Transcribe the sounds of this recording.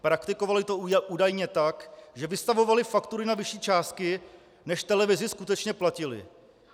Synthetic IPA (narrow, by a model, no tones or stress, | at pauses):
pɾakt̪ɪko̞valɪt̪oʔuːdajɲɛt̪akʒɛvɪst̪avo̞valɪfakt̪uɾɪnavɪʃiːt͡ʃaːst̪̚kɪ | nɛʃt̪ɛlɛvɪzɪskut̪ɛt͡ʃɲɛplacɪlɪ̰